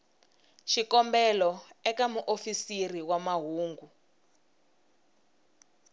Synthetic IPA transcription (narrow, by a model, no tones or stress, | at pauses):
ʃikɔmbɛlɔɛkamuʔofisiriwamaɦuːŋɡu